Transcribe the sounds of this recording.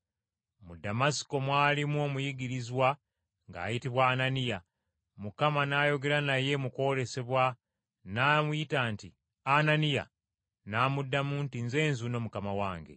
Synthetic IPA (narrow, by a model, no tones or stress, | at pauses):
mudamasi̥ko̞mwaːlimuo̞mujiɡiɾizwa | ŋɡa̰ːjitiβwaːnanija | mukamanaːjo̞ɡe̞ɾanaje̞muko̞le̞se̞βwa | naːmujitaːnti | ananija̰ | naːmudːamuntinze̞ːnzuno̞ːmukamawaːŋɡe̞̰